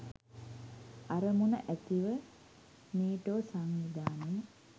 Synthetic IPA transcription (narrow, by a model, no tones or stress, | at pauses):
aɾəmunəʔæt̪iʋə | niːʈoːsaŋʋid̪aːnem